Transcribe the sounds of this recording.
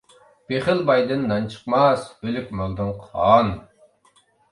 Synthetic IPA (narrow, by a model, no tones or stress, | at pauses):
b̥eχɪlˠbɑjd̪ɨnːɑnt͡ʃʰə̥qmɑsølykʲmølˠd̪ɨnqʰɑn